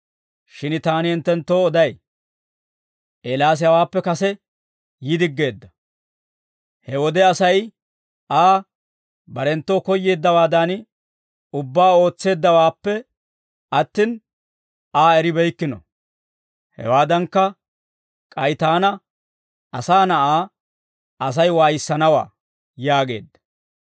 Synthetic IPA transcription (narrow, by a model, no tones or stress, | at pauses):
ʃɪnt̪aːnɪɪnt̪ːɛnt̪ːoːɔd̪ɐj | ʔelaːs̬ɪjɐwaːpːɛkɐsɛ | jɪd̪ɪɡːe̞ːd̪ːɐ̥ | hɛwɔd̪ɛɐsɐj | ʔaː | bɐɾɛnt̪ːoːkɔjːe̞ːd̪ːɐwaːd̪aːn | ʊbːaːo̞ːt͡sːe̞ːd̪ːɐwaːpːɛ | ɐt̪ːiːn | aːɛɾɪbɛjkːɪnɔ̰ | hɛ̰waːd̪ɐŋkːɐ | kʼɐjt̪aːnɐ | ɐsaːnɐʔaː | ɐs̬ɐjwaːjɪsːɐnɐwa̰ː | jaːɡe̞̰ːd̪ːɐ̥